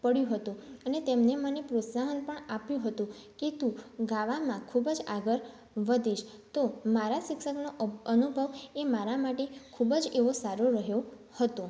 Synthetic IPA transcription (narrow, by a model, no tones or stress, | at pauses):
pəɽjũɦət̪ũənet̪emnemənepɾot̪saɦənpəɳapjũɦət̪ũket̪ũɡaʋamãkʰubd͡ʒaɡəɾ | ʋəd̪ʱiʃt̪omaɾaʃɪkʃəknoənubʱəʋemaɾamaʈekʰubəd͡ʒeʋosaɾoɾəɦjo | hət̪õ